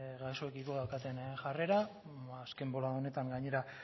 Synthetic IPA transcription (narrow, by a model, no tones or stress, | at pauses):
ɣaso̞ekiko̞ðawkat̪e̞nʝare̞ɾaː | ske̞mbo̞laone̞t̪aŋɡaɲe̞ɾa